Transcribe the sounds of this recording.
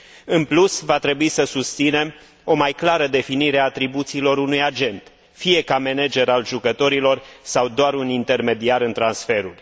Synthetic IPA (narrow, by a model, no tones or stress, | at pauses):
ɨnplusvat̪ɾe̞buisəsust̪sine̞m | o̞majklaɾəd̪e̞finiɾeat̪ɾibut̪siːlo̞ɾunujad͡ʒe̞nt̪ | fije̞kame̞ned͡ʒe̞ɾalʒukət̪o̞ɾilo̞rsawd̪oaɾunint̪e̞rme̞d̪iaɾɨnt̪ɾansfe̞ɾul